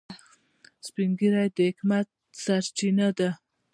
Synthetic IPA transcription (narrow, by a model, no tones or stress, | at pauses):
spiŋɡiɾajd̪əhɪkmat̪̚saɾt͡ʃinad̪a